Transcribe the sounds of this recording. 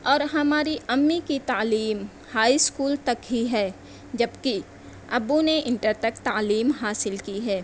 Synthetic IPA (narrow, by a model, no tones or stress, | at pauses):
ɔːɾɦɐmaːɾiʔɐmːikit̪aːliːm | haːiskuːlt̪ɐkɦiɦɛː | d͡ʒɐbki | ɐbuneʔɪ̃ɳʈəɾt̪ɐk̚t̪aːliːmɦaːsɪlkiɦɛː